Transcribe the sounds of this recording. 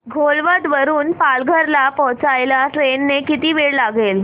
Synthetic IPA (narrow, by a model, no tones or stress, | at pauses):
ɡʱolʋəd̪ʋəɾuːnpalɡʱəɾlapɔɦt͡sajlaʈɾenːekit̪iːʋeɽlaɡel